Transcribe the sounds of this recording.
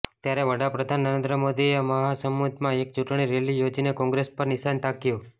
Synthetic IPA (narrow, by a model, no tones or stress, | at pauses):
t̪jaɾeʋəɽapɾəd̪ʱanːəɾẽnd̪ɾəmod̪ieməɦasəmːud̪ʱmãek̚t͡ʃuʈɽ̃iɾelijod͡ʒinekɔ̃ŋɡɾespəɾnɪʃant̪akjũ